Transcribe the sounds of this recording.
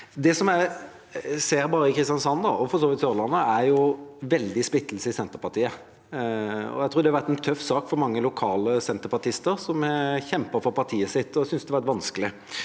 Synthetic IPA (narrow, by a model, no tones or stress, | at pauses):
d̪ɛsɔmæɪ | seːɾbɑːɾəɪkʰɾɪst̪jɑnsɑnd̪ɑɔfɔɾsoːʋɪt̪søɾlɑnːəæɾjʊʋɛld̪ɪsp̪ɪt̪ːl̩səɪsɛnt̪əɾpɑɾt̪ʰiːə | ɔ̰æɪt̪ʰuːɾd̪ɛhɑʋæʁt̪ɛnt̪ʰœfsɑːkfɔɾmɑŋːəlʊkʰɑːləsɛnt̪əɾpɑt̪ʰɪst̪əɾsɔmçɛmpəɾfɔɾpʰɑɾt̪ʰiːəsɪt̪ːɔsʏnsd̪ɛʋæt̪ʋɑnskəlɪ